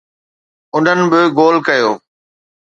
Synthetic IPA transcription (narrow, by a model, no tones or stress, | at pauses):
ʊn̤ənɪ̆ɓɪɡoːlkɐjoː